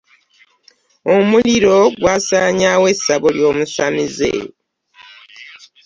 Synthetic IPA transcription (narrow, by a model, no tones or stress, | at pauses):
omuliɾo̞ɡwaːsaɲawe̞saβoljo̞ːmusamizḛ